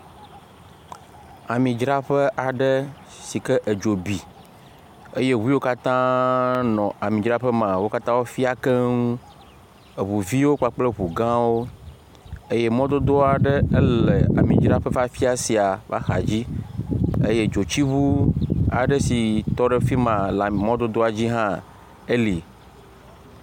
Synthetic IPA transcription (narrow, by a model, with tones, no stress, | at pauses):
a˨mĩ˨d͡ʒɾa˦ɸɛ˦ʔa˨ɖə˦ | si˨kɛ˦ʔə˨d͡ʒo˨bi˨ | e˦je˦ɦu˦i˦wo˦ka˦t̪ã˦nɔ̃˨a˨mĩ˨d͡ʒɾa˦ɸɛ˦mã˨wo˦ka˦t̪ã˦wo˦fi˦a˨kɛ˦ŋũ˦ | ə˨βu˨vi˦wo˦k͡pa˦˨k͡ple˦βu˨ɡã˦wo˦ | e˦je˦mɔ̃˦d̪o˦d̪o˦a˨ɖe˦e˦le˨a̰˨mĩ˨d͡ʒɾa˦ɸe˦fa˦fi˦a˨si˨a˨va̰˦xa̰˨d͡ʑi˦ | e˦je˦d͡ʒo˨t͡ɕi˦βu˦a̰˨ɖe˦si˨t̪ɔ˦ɖe˦fi˦mã˨la˨mɔ̃˦d̪o˦d̪o˦a˨d͡ʑi˦ɦã˦ | e˦li˨